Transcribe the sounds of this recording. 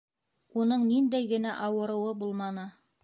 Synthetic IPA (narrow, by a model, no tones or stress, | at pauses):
unɤɴnind̪æjɡɘ̆næʔɑwɤ̆ɾɤ̆wɤbulˠmɑnɤ